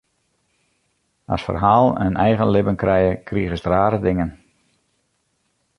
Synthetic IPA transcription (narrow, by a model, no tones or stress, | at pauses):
a̰sfə̰rɦaːlˠɛ̰nɛjɣənlɪbənkrɛjəkʰriːɣəsdraːɾədɪŋən